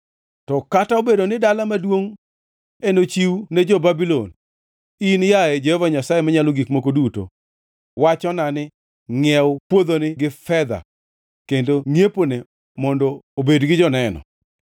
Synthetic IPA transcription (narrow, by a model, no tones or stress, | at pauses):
tɔkataobedonɪdalamadwoŋ | enot͡ʃiwuned͡ʒɔbabilo̰n | injaɛd͡ʒehovaɲasajemaɲaloɡikmokoduto̰ | wat͡ʃɔnanɪ | ŋɛwpwod̪onɪɡɪfɛd̪a̰ | kendoŋjepone | mɔndɔːbedɡɪd͡ʒɔnɛnɔ̰